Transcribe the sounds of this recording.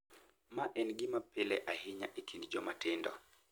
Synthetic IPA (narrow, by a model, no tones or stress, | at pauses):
maʔɛnɡɪmapɪlɛʔahɪɲaʔekʰindd͡ʒɔmatɪndɔ̰